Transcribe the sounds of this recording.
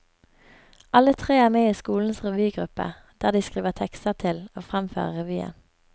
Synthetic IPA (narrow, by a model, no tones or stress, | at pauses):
ʔɑlət̪ʰʁeːæːʁmeːiːskuːln̩sʁɛʋyːɡʁʉpə̰ | d̪̥æːd̪iːskʁiːʋəʁt̪ʰɛkst̪əʁt̪ʰɪloːfʁɑmfø̰ːʁəʁɛʋyːə̰n